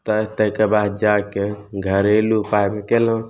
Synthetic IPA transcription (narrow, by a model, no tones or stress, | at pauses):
t̪ət̪əkebaːd̪̚d͡ʒakeɡʱəɾelupajmekelə̃